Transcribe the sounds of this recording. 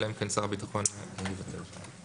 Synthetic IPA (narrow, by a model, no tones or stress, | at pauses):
lemkansaʁbit̪aχo̞nimivat̪ʰḛ